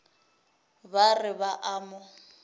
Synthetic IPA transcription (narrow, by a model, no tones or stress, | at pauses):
barɪbaʔaːmʊ